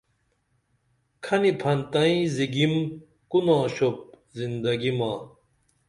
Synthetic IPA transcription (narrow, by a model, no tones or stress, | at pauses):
kʰɐnipʰɐnt̪ɐĩziɡim | kunãːɕop̚ | zind̪ɐɡimaː